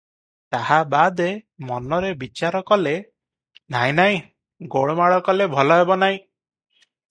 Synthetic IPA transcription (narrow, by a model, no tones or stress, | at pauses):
t̪ahabad̪emɔnɔɾebit͡ʃaɾɔkɔle | naj̃naĩ | ɡoɭɔmaɭɔkɔlebʱɔlɔɦebɔnaĩ